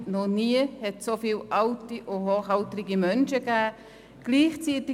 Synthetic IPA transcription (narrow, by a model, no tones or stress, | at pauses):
nɔniəhɛtsofiːlʔaʊtiʔʊɦoːχaltɾɪɡimœnʃəɡɛː | ɡ̥liːχt͡siːtɪ